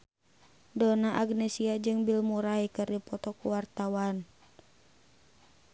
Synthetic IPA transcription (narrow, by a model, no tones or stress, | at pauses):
dɔnaʔaɡnɛsiad͡ʒɨŋbilmuɾaikɨrdipɔt̪ɔkuwart̪awan